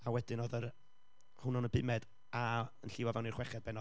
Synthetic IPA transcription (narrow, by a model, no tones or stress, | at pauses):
awɛdɪnɔðər | hʊnɔnəbɪmɛd | aənɬɪvavɛwnirχwɛχjad̚bɛnɔ